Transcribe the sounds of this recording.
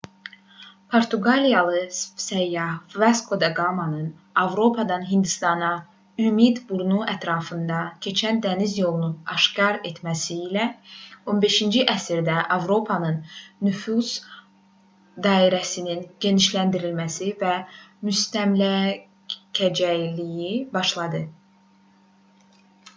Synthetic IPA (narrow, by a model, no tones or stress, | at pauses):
pʰoɾt̪ʰuɡɑlijɑlˠɯssæjːɑvɑskʰo̞d̪ɑɡɑmɑnɯn | ɑvɾo̞pʰɑd̪ɑnɦind̪ist̪ɑnɑ | ymid̪buɾnuæt̪ʰɾɑːfɯnd̪ɑcʰe̞t͡ʃʰænd̪ænizjo̞lˠununɑʃkɑɾe̞t̪mæsiːlæo̞nbe̞ʃind͡ʒiʔæsiɾd̪æʔɑvɾo̞pʰɑnɯnːyfuz̥ | d̪ɑːiɾæsininɟe̞niʃlænd̪iɾilmæsivæmyst̪æmlæ | cʰæd͡ʒæjlijibɑʃlˠɑd̪ɯ